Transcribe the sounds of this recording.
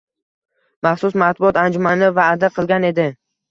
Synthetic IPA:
maχsʊsmat̪̚bʊɒt̪and͡ʒʊmanɪvaːd̪aqʰɨlˠɡʲane̞d̪ɪ

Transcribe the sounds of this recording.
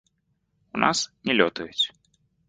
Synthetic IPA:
unʔa̰snʲɛlʲɔt̪ujut͡sʲ

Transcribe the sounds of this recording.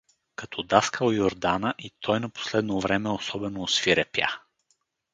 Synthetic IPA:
kɐt̪ʰɔd̪askəljoɾd̪anəʔit̪ʰɔjnɐpo̥slɛd̪novɾɛmɛosɔbɛnoːsfiɾɛpja̰

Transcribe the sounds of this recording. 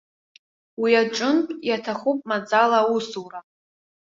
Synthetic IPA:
wiaʈ͡ʂʼʊnpʼjatʰaχupʼmad͡zalausuwra

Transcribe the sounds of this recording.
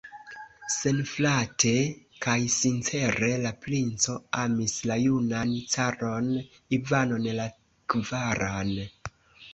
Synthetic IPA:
se̞nflatʰe̞kajsint͡se̞ɾe̞laplint͡so̞amislajunant͡saɾo̞n | ivano̞nla | kvaɾan

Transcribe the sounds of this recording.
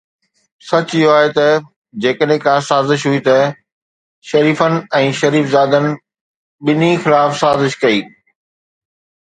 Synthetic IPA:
sɐt͡ɕʊɪɦoaːɦet̪ɐ | d͡ʑeːkəɗɦẽkãsaːzɪʃɦuit̪ɐ | ʃɐɾiːfənɪ̆ɛ̃ːʃɐɾiːfzaːd̪ənɪ̆ | ɓɪnixɪlaːfsaːzɪʃkɐiː

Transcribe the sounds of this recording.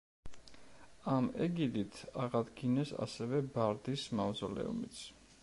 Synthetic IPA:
amɛɡid̪it̪ʰaʁad̪ɡinɛsa̰sɛvɛbaɾd̪ismavd̪zɔlɛ̰ṵmit̪sʰ

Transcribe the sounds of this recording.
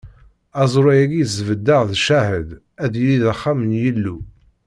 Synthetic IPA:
æzˤɾˤæjæɡizvəd̪ːəʁðʃæhəd̪ | æðjəliðaχːamənjəlːu

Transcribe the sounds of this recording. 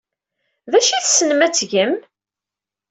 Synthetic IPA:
ðæʃiθsənəmæt͡sːʝəm

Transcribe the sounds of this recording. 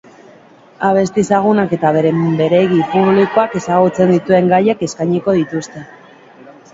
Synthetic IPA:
aβ̞e̞st̪iesaɣ̞unake̞t̪aβe̞ɾe̞mbe̞ɾe̞ɣipuβliko̞ake̞saɣut͡se̞nd̪it̪ue̞ŋɡajeke̞skajɲiko̞ðit̪ust̪e̞

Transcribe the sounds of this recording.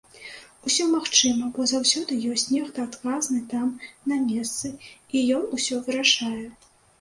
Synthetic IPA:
usʲɔmaxt͡ʂɨmɐbɔzawsʲɔd̪ɨjɔsʲt͡sʲnʲɛxt̪ɨat̪kaznɨt̪amnɐmʲɛst̪sɨijɔnusʲɔvɨɾaʂajɛ

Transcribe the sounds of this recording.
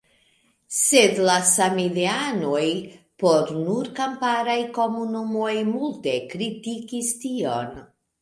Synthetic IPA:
se̞dlasamiliano̞jpo̞ɾnuɾkampaɾajko̞munumo̞jmulte̞kɾitikistio̞̰n

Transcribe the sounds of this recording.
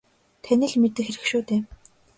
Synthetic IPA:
t̪ʰænʲɘ̆ɮmet̪ɘ̆kxeɾɘ̆kʃuːt̪eː

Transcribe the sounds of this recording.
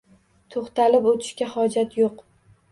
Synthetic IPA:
t̪ʰoχt̪alɪpot̪ʰɪ̥ʃkʲahɒd͡ʒat̪joq

